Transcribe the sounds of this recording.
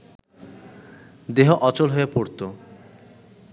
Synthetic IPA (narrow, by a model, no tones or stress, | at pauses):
d̪eɦoʔɔt͡ɕolɦoepoɾt̪o